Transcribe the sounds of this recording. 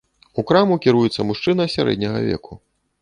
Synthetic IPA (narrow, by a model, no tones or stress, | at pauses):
ukɾamukʲiɾujɛt̪sːɐmuʂt͡ʂɨnɐsʲaɾɛ̰d̪ʲnʲɐɣɐ̰vʲɛ̰kʰu